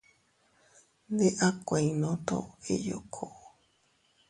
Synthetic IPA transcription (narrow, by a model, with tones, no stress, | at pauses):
nd̪e˦ʔa˦kʷã˨ĩnõ˦t̪o̰˦e˦jo˨kʰo